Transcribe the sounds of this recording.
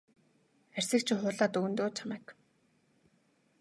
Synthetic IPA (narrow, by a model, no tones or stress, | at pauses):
ær̥ʲsɘ̆k̚t͡ɕʰɪ̆χʊːɮaːt̪ɵɣɵ̆nt̪oːt͡ɕʰamæːk